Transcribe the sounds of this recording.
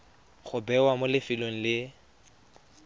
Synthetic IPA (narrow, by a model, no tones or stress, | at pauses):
χʊbɛwamolɪfiloŋ̩lɪ